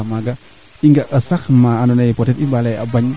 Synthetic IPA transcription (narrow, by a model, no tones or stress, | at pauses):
amaɡa | iŋɡaʔəsakmaːnonaipɔtɛt̪imbalajabaɲ